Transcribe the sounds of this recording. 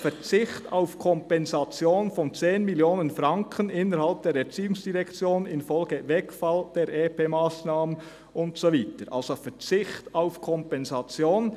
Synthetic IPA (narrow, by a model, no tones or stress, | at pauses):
fɛʁt͡sɪçta̰ʊfkʰɔmpɛnzɑt͡sjoːnfɔnt͡seːnmiljoːnənfɾɑŋkʰənɪnəɾhalp̚d̥eːɾɛɐt͡siːʊŋsd̥iʁɛkt͡sjoːnɪnfɔlɡəvɛkfald̥eːɾʔeːpʰeːmaːsnaːmən | ʔʊntsoviːtəɾʔa̰lsofɛt͡sɪçtaʊfkʰɔmpɛnzɑt͡sjoːn